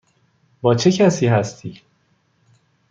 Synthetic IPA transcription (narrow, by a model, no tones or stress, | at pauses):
bɒːt͡ʃʰe̞cʰæsiːɦæst̪ʰiː